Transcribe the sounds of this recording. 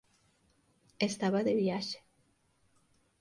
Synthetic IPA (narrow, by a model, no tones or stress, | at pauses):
est̪aβaðeβjaʃe̥